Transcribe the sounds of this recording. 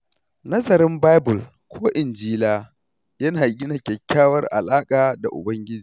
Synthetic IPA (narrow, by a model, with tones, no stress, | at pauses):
nɐ˦zɐ˨ɾɪ˦mbaː˦jbʊ˨l | kʷʰoː˦ʔɪ˨nd͡ʒiː˦laː˦ | jɐ˦naː˨ɡʲɪ˦na˨kʲɛ˨kʲːaː˦wɐ˦rʔa̰˨laː˦kʼaː˨da˨ʔʊ̰˨bɐ˦ŋɡʲɪ˦d͡ʒiː˨